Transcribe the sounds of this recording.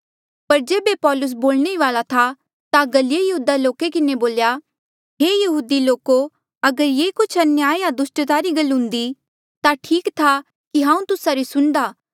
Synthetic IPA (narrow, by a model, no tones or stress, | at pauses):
pɐɾd͡ʒeːbepɔːlʊs̬boːlɽ̃eiʋaːlat̪ʰa | t̪aɡɐljejɐɦuːd̪aloːkekɪneboːlja | ɦeːjɐɦuːd̪iloːko | ɐɡəɾjeːkʊt͡ʃʰɐnjaːjad̪ʊsʈət̪aːɾiɡɐlːɦʊ̃nd̪i | t̪aʈʰiːkt̪ʰa | kiɦãːũt̪ʊsaɾisʊɳd̪aː